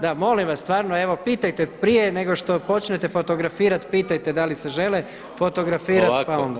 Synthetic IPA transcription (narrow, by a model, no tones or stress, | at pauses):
d̪amo̞limʋasst̪ʋaːɾnoeʋo̞piːt̪ajt̪e̞pɾije̞neɡo̞ʃt̪o̞po̞t͡ʃne̞t̪e̞fot̪oɡɾafiːɾat̪piːt̪ajt̪ed̪aliseʒele | fo̞t̪o̞ɡɾafiːɾat̪paond̪a